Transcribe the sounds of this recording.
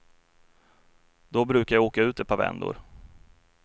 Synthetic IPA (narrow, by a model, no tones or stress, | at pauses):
d̪̥ɔbɾʉ̟ːkajaoːkaʉ̟ːt̪ɛt̪̚pʰavɛ̰nd̪ʊ̰ɾ